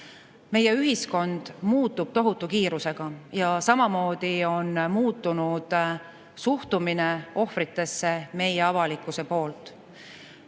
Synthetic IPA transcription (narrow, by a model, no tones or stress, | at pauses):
me̞je̞yɦisko̞nd̪̥muːt̪ːˑub̥̚t̪o̞ɦut̪ːˑukiːɾuse̞ɡ̥ɑjɑsɑmɑmo̞ːd̪̥io̞nmuːt̪ˑːunud̪̥ | suht̪umineo̞hfɾit̪ːˑe̞sːe̞me̞jeɑvɑlikːˑuse̞po̞ːlt̪ˑ